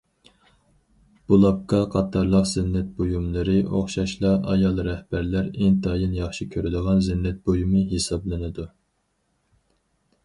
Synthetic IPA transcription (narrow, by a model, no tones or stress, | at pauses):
b̥ulˠɑp̚qɑqʰɑt̪ʰɑɾlˠəqz̥ɪnːɛt̪̚bojumlˠɨɾɨʔo̰χʃɑʃlˠɑʔɑjɑlˠɾɛhbæɾlæɾɪnt̪ʰɑjɨnjɑχʃikʲʰøɾɪd̪əʁɑnzɪnːɛt̪̚bojumɨɦesɑblˠɨnɨd̪u